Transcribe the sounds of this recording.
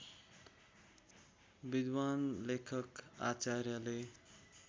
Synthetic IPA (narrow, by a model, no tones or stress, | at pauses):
bid̪wanlekʰʌka̰t͡saɾjale